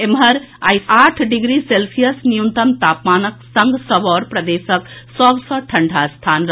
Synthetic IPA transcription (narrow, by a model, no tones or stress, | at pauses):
emɦɐɾajsaːʈʰɖiɡɾiselsijəsnijunt̪ɐmt̪aːpmaːnəksɐŋɡsɔbɔːɾpɾɐd̪eːsəksɔbsɔʈʰɐɳɖʱast̪ʰanɾ